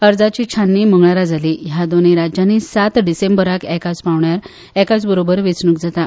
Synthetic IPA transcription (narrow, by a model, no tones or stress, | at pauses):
əɾd͡zat͡ɕiːt͡ɕʰanːiməŋɡɭaɾad͡zʱaliːjad̪oneɾad͡ʑjanisat̪ɖisembəɾakɛkat͡spaʋɳjaɾ | ɛkat͡sbəɾobəɾʋit͡snukd͡zat̪a